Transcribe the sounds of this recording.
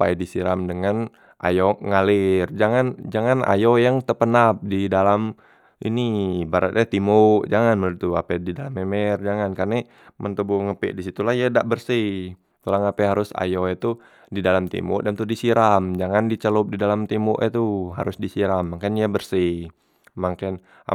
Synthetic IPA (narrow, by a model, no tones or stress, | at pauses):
pajdisiɾamdəŋan | ʔa̰joŋalɪrd͡ʒaŋand͡ʒaŋana̰jojaŋt̪əpənap̚didalam | ʔḭnibaɾa̰t̪ɲat̪imʊʔd͡ʒaŋanməlit̪ua̰pɛdidalamemɛrd͡ʒaŋankarnɛ | mʔənt̪əbuŋəpɛ̰ʔdisit̪ulahjadaʔbərsih | k̪ulaŋapɛɦaɾʊsa̰joɛt̪u | didalamt̪ḭmʊ̰ʔdant̪udisiɾamd͡ʒaŋandit͡ʃəlʊp̚didalamt̪imʊʔɛt̪uɦa̰ɾʊsdisiɾamːaŋkanjabərsi | maŋkan | a̰